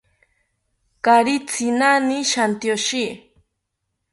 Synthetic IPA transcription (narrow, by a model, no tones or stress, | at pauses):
kaɾit͡sʰinaniʃant̪joʃi